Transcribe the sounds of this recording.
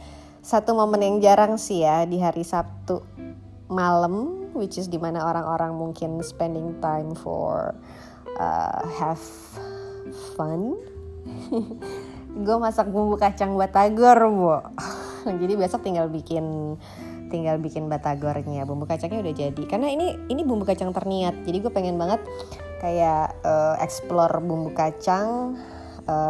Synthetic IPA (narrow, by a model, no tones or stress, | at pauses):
sat̪umomənjaŋd͡ʒaɾaŋsijadiɦaɾisap̚t̪u | maləmwit͡ʃɪsdimanaoɾaŋʔoɾaŋmuŋkɪnspɛndɪŋt̪ajmfɔ̰r | ʔə̰hɛf | fan | ɡuamasak̚bumbukat͡ʃaŋbat̪aɡɔrbɔ | d͡ʒadibiasɔk̚t̪iŋɡalbikɪn | t̪iŋɡalbikɪnbat̪aɡɔrɲabumbukat͡ʃaŋɲaudahd͡ʒadikarnainiːnibumbukat͡ʃaŋt̪ərniat̪̚d͡ʒadiɡuapɛŋɛnbaŋət̪̚ | kajaəɛ̰ksplɔrbumbukat͡ʃaŋ | ə